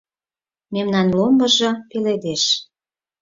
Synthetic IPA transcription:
memnɑnlombɤ̆ʒɤ̆peled̪eʃ

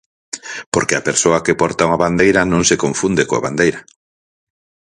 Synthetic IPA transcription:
poɾkeapeɾsoɐkepɔɾt̪auŋaβand̪ejɾanõŋsekoɱfund̪ekoa̰βa̰nd̪ejɾɐ

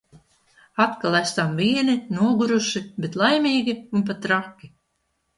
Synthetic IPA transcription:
at̪kalˠæst̪amvʲiɛninuɔɡuɾuʃibet̪lˠajmʲiːɡʲiunp̬at̪ɾakʲːi

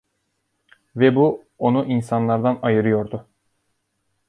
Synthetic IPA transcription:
vɛbu | onuʔinsanlˠaɾd̪anajɯɾɯjo̞ɾd̪ʊ

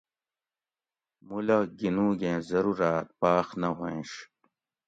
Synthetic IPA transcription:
mulɐɡinũːɡẽːzɐɾuɾaːt̪̚paːxnɐɦõʂ

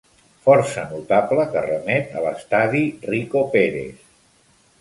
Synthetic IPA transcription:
fɔɾsənut̪apləkərəmɛt̪ə̰ləst̪aðirikopeɾḛs

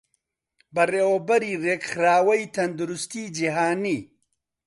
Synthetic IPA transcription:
bɐreːwɐbɐɾiːreːkxɾaːwɐjt̪ʰɐnd̪uɾust̪iːd͡ʒiɦaːniː

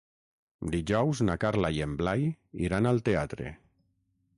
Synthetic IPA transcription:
d̪iʒɔwznakaɾlajemblajḭɾanalˠt̪eat̪ɾḛ

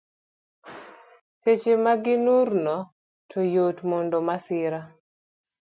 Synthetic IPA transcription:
set͡ʃemaɡɪnurnɔ | tʰojotmondomasɪɾa

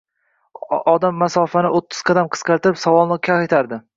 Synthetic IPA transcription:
ɒd̪amːasɒfanɪʔot̪ʰːɪ̥z̥qʰɑd̪amqʰɨ̥sqɑɾt̪ɪɾɪpsavɒlˠnɪkʲʰaχet̪ʰaɾd̪ɪ

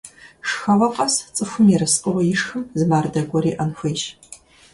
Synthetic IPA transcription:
ʂxɐwɐqʼɐst͡sʼɨxʷʊmjɛɾɐsqʼʊʁɐjɪʂxɨmzɨmaːrdɐɡʷɔɾiːʔɐnxʷeːʃ

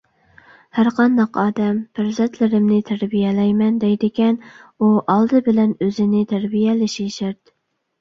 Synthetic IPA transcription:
hæɾqʰɑnd̪ɑqɑːd̪ɛmpæɾzɛnt̪ʰlɪɾɪmnɪt̪ʰæɾbijɛlɛjmɛnd̪ɛjd̪ɪkʲɛnuʔɑlˠd̪ɨbɪlɛnøzɪnɪt̪ʰæɾbijɛlɪʃiʃæɾd̪

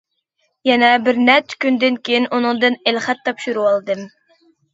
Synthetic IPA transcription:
jɛnɛbɪɾnɛt͡ʃkʲynd̪ɪnkʲejinʔunɨŋd̪ɨnelχɛt̪ʰːɑpʃuɾuwɑlˠɨd̪ɨm

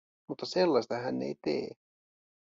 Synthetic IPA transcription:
mut̪ːɑselːɑsʲt̪ɑɦænːḛjt̪ḛː

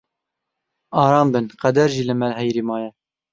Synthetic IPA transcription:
ɑːɾɑːmbɨnqæd̪æɾʒiːlɨmɛlɦɛjɾiːmɑːjɛ

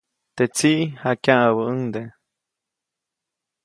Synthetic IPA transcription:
t̪et͡siʔhakjãʔəβəəŋd̪e

